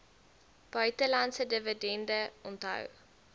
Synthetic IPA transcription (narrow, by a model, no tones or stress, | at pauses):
b̥œɥtəlɐnsədəvədɛndəɔntɦɐ̰w